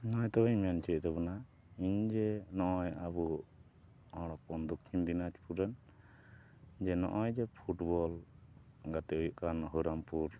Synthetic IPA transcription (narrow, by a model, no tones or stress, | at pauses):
nɔjt̪ɔbɛɲmant͡ʃɛt̚ˀt̪ɔbɔna | iɲd͡ʒɛnɔʔɔjabu | ɔɽ̃ɔk̚pɔnd̪ukʰːimd̪inat͡ʃpuɾan | d͡ʒɛnɔ̰ʔɔjd͡ʒɛpʰuʈbɔl | ɡat̪ɛujuʔkanɦɔɾampuɾ